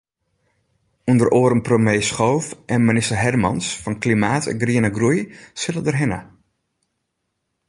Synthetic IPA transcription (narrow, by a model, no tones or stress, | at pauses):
undəroːɾəmpromjejsχowfʔɛnmɪnɪstərɦɛrmɑnsfɑnklimaːtʰɛ̰nɡriənəɡrujsɪlədərɦɪnə̰